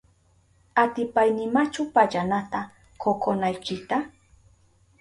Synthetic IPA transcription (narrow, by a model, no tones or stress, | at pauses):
at̪ɪpajnɪmat͡ʃʊpaʎanat̪a | kokonajkɪt̪a